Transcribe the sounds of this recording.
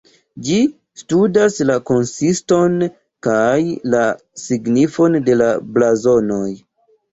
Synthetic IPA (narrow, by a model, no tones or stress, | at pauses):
d͡ʒi | studaslako̞nsisto̞n | kajla | siɡnifo̞nde̞lablazo̞no̞j